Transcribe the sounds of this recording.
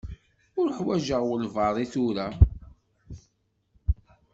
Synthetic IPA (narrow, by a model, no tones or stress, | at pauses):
ʊɾħwæʒəʁwəlvɑɾˤiθʊɾæ